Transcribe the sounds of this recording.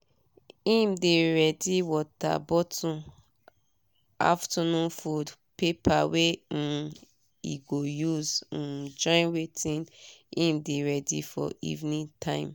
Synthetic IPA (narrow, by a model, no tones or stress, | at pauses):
ĩmdeɹɛdiwɔta̰bɔtʰũ | a̰ftɔnũnfud | pepʰawe | ḭɡojuz̩d͡ʒɔ̃ɪ̃nwetĩnĩmdeɹɛdifɔ̰ḭvnĩtʰãɪ̃m